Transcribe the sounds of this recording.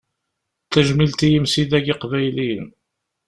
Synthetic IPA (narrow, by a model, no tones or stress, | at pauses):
θæʒmilt̪ijəmsiðæʝɪqvæjlin